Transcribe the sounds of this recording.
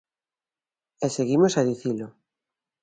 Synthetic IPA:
eseɣimosaðiθilo

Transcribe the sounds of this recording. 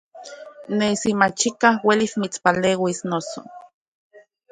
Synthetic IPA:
nesimat͡ʃikahwelismit͡spaleːwisnoso̰

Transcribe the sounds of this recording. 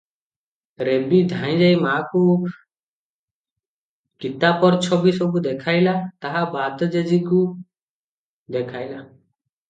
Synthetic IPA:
ɾebid̪ʱãj̃d͡ʒajmaku | kit̪apɔɾt͡ʃʰɔbisɔbud̪ekʰajlat̪aɦabad̪ɔd͡ʒed͡ʒiku | d̪ekʰajla

